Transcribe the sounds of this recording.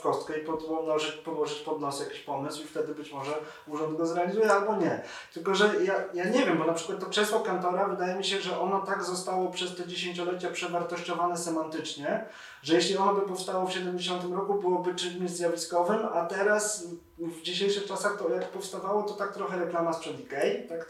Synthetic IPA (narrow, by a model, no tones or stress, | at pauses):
kɔst̪kɛipɔd̪ɔd̪nɔʐɘt͡ɕpɔwɔʐɘt͡ɕpɔd̪nɔsjakʲi̥ɕpɔmɘswift̪ɛd̪ɘbɘt͡ɕmɔʐɛ | uʐɔnd̪ɡɔzɾɛalʲizujɛalbɔɲɛ | t̪ɘlkɔʐɛjajaɲɛvʲjɛmbɔnapʂɘ̥kwat̪ːɔpʂɛswɔkant̪ɔɾavɘd̪ajɛmʲiɕɛʐɛʔɔnɔt̪aɡzɔst̪awɔpʂɛst̪ɛd͡ʑeɕeɲt͡ɕɔlɛt͡ɕapʂɛvaɾt̪ɔɕt͡ɕɔvanɛsɛmant̪ɘt͡ʂɲɛ | ʐɛjɛɕlʲiɔnɔbɘpɔfst̪awɔfɕɛd̪ɛmd͡ʑeɕ̬ɔnt̪ɘmɾɔkubɘwɔbɘt͡ʂɘɲmʲezʲjavʲiskɔvɘmat̪ɛɾas | vd͡ʑiɕejʂɘxt͡ʂasaxt̪ɔjakpɔfst̪avawɔt̪ɔt̪ak̚t̪ɾɔxɛɾɛklamaspʂɛd̪ikɛjt̪ak